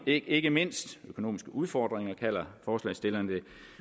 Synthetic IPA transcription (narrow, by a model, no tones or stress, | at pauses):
e̝ɡ̥əme̝n̰sd̥økʰo̝no̝̰ːmisɡ̥əʔuð̞ˠfɒːd̥ʁeŋɐkʰæl̰ɐfɒːslɛ̰ɪsd̥e̝lɐnd̥e̝